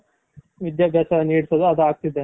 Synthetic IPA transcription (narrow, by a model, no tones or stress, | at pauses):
ʋid̪jaːbʱjaːt͡ʃaɐniːɽt̪ɐd̪uɐd̪uaːk̚t̪id̪e